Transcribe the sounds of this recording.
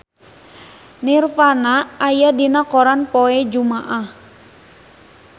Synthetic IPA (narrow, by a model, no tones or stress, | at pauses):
nirfanaːjadinakɔɾanpɔɛd͡ʒumaʔah